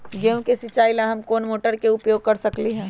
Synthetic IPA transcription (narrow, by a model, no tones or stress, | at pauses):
ɡeõkesɪt͡ʃaːilãɦɐmkoːnmoːʈəɾkeʊpjoːɡ̚kɐɾsɐkliɦɛ̃ː